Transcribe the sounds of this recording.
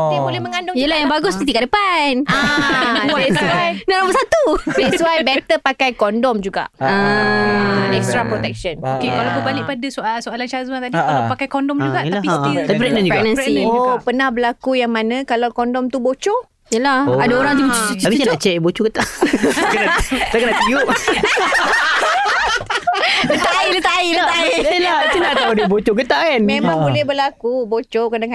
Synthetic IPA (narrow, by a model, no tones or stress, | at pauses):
iambolɛhməŋandʊŋiəlahjaŋbaɡʊst̪ut̪ikaʔdəpana | sajnaɾapasat̪uɛsuajbɛt̪əpakajkɔndɔmd͡ʒuɡa̰ʔə | ɛkst̪ɾapɾot̪ɛk̚ʃənokekalawkubalɪʔpadasuʔalsoalant͡ʃazmãt̪adiaapakajkɔndɔmd͡ʒuɡaʔlap̪aipɾɛk̚nənd͡ʒufnãnsiuopənahbəlakujaŋmanãkalawkɔndɔmt̪ubot͡ʃo | əlahoadaoɾaŋt̪uapissanaʔt͡ʃɛʔbot͡ʃokət̪akənaakənat̪iuʔ | dət̪aidət̪aidaailat̪inaʔt̪audibot͡ʃokət̪akanmemãŋbulɛhbəlakubot͡ʃokədaka